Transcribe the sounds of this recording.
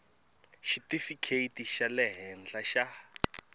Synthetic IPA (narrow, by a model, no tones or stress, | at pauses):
ʃitifikʰeitiʃalɛɦɛnd͡ɮaʃa